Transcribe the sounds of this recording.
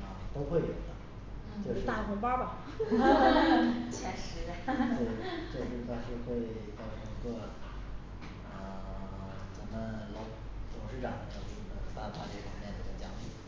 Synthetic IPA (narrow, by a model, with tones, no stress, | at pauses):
a˥˩t̪o˥ʊxwe˥˩ɪjo̰˨˩ʊd̪ə˦˩ | jʊɻa˥˩˥kʰnpa˥pɑ˨˩˦ | t͡ɕʰɛ˥˩ʂɻ̩˧˥d̪we˥˩ɪʈ͡ʂɤ˥˧˩ʂɻ̩˥˩t̪ɑ˥˧ŋʂɻ̩˧xwe˥˧ɪt͡sɑ˥˩ʊʈ͡ʂʰə˧˥˧ɡə˥˩ | ə˧˩ | t͡sa˧˩˥nmə˧lɑ˧˥ʊ | t͡s̪ʊ˨˩ŋʂɻ̩˥˩ʈ͡ʂɑ˨˩ŋd̪jɑ˥˩˥n˧˩˧t̪a˥˧t̪ʰa˥˧t͡ɕɛ˥˩ə̰˨˩mjɛ˥˩nd̪ə˧˩ə˥˩t͡ɕjɑ˥˩fi˨˧˩